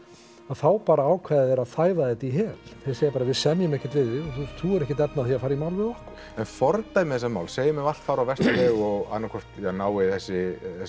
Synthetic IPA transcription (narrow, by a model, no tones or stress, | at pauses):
aðθaːwpaːɾaaːwkʰvaːððɛɾaðθaːjvaðɛt̪iɦɛːlθeseːjapaɾavɪðsɛnjʏmɛhcɪ̥t̪vɪðɪɔθut̪ʰuːɣʏɾɛhcɪt̪ɛpnaθiafaːɾimawlvɪðɔhkʊ̥ɾ | ɛnfɔɾt̪ajmɛθɛsamawlseːjɪmɛal̥t̪faːwɾawvɛst̪ɛɣɔɣa̰nːakʰɔr̥t̪janaːwɪθɛsːɪɛ